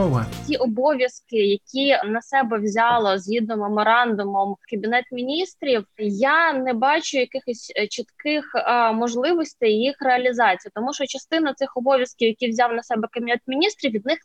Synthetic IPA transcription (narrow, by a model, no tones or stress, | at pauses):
ɔʋɐtʲiʔɔbɔʋʲjɐskɪjɐkʲinɐsɛbɛwzʲɑlˠɔzʲɦʲid̪nɔmːemɔɾɑnd̪ʊmɔmkɐbʲinɛt̪mʲinʲist̪ɾʲiwjanɛbɑt͡ʃʊjɐkɪxɔsʲt͡ʃit̪kɪxmɔʒlˠɪʋɔsʲt̪ejjixreɐlʲizɑt͡sʲijt̪ɔmuʃɔt͡ʃɐst̪ɪnɐt̪sɪxɔbɔʋʲjɐskʲiwjɐkʲiwzʲɑwnɐsɛbɛkɐbʲinɛt̪mʲinʲist̪ɾʲiʋʲid̪̚nɪx